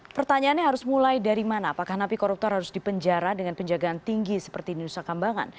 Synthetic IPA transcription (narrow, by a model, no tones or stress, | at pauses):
pərt̪aɲaanɲaɦaɾʊsmulajdaɾimanaːpakahnapikɔɾup̚t̪ɔrhaɾʊsdipəɲd͡ʒaɾadəŋanpəɲd͡ʒaɡaːnt̪iŋɡisə̥pərt̪idiusakambaŋa̰n